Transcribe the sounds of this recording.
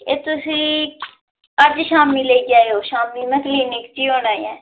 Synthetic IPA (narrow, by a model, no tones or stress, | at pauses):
eːt̪ʊsĩː | əd͡ʒʃaːmiːleiɡaːeoːʃaːmːiːməkliːnɪkt͡ʃiːoːnaːiɛ̃ː